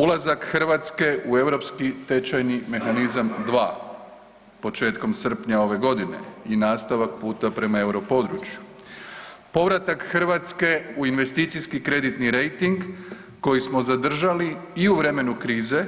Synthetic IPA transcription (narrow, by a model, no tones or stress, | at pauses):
ulˠazakxr̩ʋat̪ske̞ʔue̞wɾo̞pskit̪e̞t͡ʃajnime̞xanizamd̪ʋa̰ː | po̞t͡ʃe̞ːt̪ko̞msr̩pɲao̞ʋe̞ɡo̞d̪ine̞̰inaːst̪aʋak̚puːt̪apɾe̞mae̞wɾo̞po̞d̪ɾut͡ʃju̥ | po̞ʋɾat̪akxr̩ʋat̪ske̞uinʋe̞st̪iːt̪sijskikɾe̞d̪it̪niɾe̞jt̪iŋɡ | ko̞jismo̞zad̪r̩ʒaliiuʋɾe̞me̞nukɾiːze̞